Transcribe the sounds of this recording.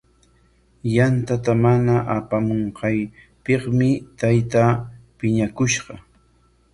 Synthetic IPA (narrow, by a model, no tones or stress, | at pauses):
jant̪at̪amanaʔapamoɴqɑj | peχmɪt̪ajt̪apɪɲakʊʃɢɑ